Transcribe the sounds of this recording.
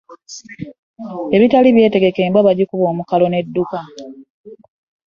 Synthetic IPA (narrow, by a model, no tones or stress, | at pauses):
e̞βitaliβje̞ːte̞ɡe̞ke̞ːmbaβaɟikuβo̞ːmukalo̞ne̞dːuka